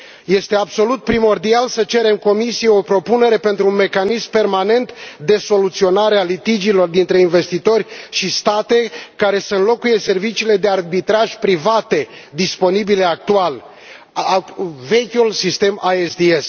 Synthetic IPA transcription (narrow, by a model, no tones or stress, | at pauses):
je̞st̪e̞abso̞lut̪̚pɾimo̞rd̪ialsət͡ʃe̞ɾe̞mko̞misije̞o̞pɾo̞pune̞ɾe̞pe̞nt̪ɾunme̞kanismpe̞rmane̞nt̪d̪e̞so̞lut̪sio̞naɾealit̪id͡ʒilo̞rd̪int̪ɾe̞inve̞st̪it̪o̞rʲʃist̪at̪e̞kaɾe̞seɨnlo̞kuje̞se̞rvit͡ʃiːle̞d̪e̞arbit̪ɾaʒpɾivat̪e̞d̪ispo̞nibile̞ak̚t̪ual | ve̞kʲulsist̪e̞maesd̪ies